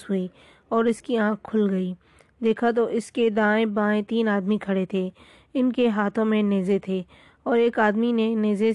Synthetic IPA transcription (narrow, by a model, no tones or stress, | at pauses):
ɦʊi | ɔːɾɪskiãːkʰːʊlɡɐiː | d̪eːkʰat̪̬oʔɪsked̪ãːẽbãːẽt̪iːnaːd̪mikʰɐɽet̪ʰeː | ɪnkeɦaːt̪ʰõmẽneːzet̪ʰeː | ɔːɾeːkaːd̪mineneːze